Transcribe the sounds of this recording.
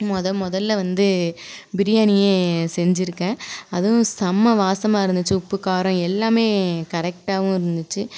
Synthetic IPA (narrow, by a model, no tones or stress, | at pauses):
mɔðɐmɔðɐlːɐʋɐnd̪ɯbɪɾɪjaːnɪjeːsɛɲd͡ʒɪɾɯkːẽːɐðɯ̃sɐmːɐʋaːsɐmaːɪɾɯnd̪ɯt͡ʃːɯʊpːɯkaːɾɔ̃ɛlːaːmeːkɐɾɛk̚ʈaːʋʊ̃ɪɾɯnd̪ɯt͡ʃːɯ